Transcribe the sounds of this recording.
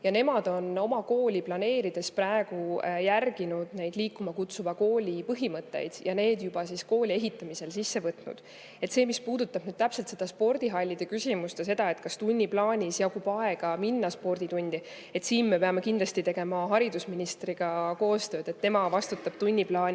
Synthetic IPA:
jɑne̞mɑd̪̥o̞no̞mɑko̞ːlʲiplɑne̞ːɾid̪̥e̞spræeɡ̥ujærɡ̥inud̪ne̞jd̪̥liːkːˑumɑkut̪suvɑko̞ːlʲipɤɦimɤt̪ːˑe̞̰jd̪̥jɑne̞ːd̪jub̥ɑsisko̞ːlie̞ɦit̪ːˑɑmise̞lsisːe̞vɤt̪nṵd̪̥ | e̞t̪se̞ːmispuːd̪ut̪ˑːɑb̥nyːd̪̥̚t̪æpselt̪se̞d̪̥ɑspo̞rd̪iɦɑlʲːid̪̥e̞kysʲimust̪ese̞d̪ɑe̞t̪̚ˑkɑst̪unʲːiplɑːnʲisjɑkubɑe̞ɡ̥ɑminːɑspo̞rd̪̥it̪unʲd̪̥i | e̞t̪siːnme̞pe̞ɑme̞kind̪lɑst̪it̪e̞ɡ̥e̞mɑɦɑɾid̪usminist̪riɡ̥ɑko̞ːst̪ø̞ːd̪̥e̞t̪ːe̞mɑvɑst̪ut̪ːˑɑb̥t̪unʲːiplɑːni

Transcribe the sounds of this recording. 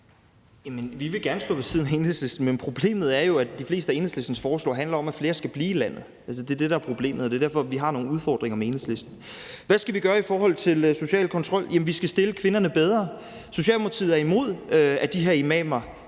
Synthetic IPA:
jæmənʋiʋe̝ɡ̥æɐnəsd̥ɔ̰ːʋe̝sʰið̞ˠn̩æe̝nhesle̝sd̥n̩menpʰʁo̝b̥le̝̰ːmð̞̩ˠæɐjo̝æd̥ifle̝ːsd̥əæe̝nhesle̝sd̥n̩sfɒːslɔ̰ːɦænlɐɒ̽mæfle̝ːɐsɡ̥æb̥liːilæn̰ð̩ˠ | æls̬əd̥e̝ɐd̥eɾ̥ɑæɐpʰʁo̝b̥le̝̰ːmð̩ˠɒd̥e̝ɐd̥æɐfɒ̽ʋiɦɑ̈no̝ːŋnuð̞ˠfɒ̰ːd̥ʁeŋɐmee̝nhesle̝sd̥n̩ | ʋæsɡ̥æʋiɡ̥ɶːɐifɒːɦɒ̽l̰t͡sʰe̝lso̝ɕɛ̰ːlkʰɒ̽nt͡sʰʁɒ̽l̰jæmnʋisɡ̥æsd̥e̝ləkʰʋe̝nɐnəb̥eð̞ˠʁɐ | so̝ɕɛ̰ːlmɑt͡sʰḭːð̩ˠæɐimo̝ð̞̰ˠøæd̥iɦeɐimɛ̰ːmɐ

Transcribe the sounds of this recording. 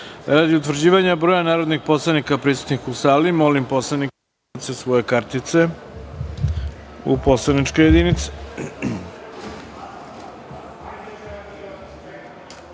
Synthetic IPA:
ɾaːd̪iut̪ʋɾ̩d͡ʑiːʋaɲabɾo̞ːjanaːɾo̞d̪nixpo̞slˠanikapɾisu̥t̪nixusaːlimo̞limpo̞slˠanik̪ | sesʋo̞jekaɾt̪it̪se̞ | ṵpo̞slaniʈ͡ʂkejed̪init̪se̥

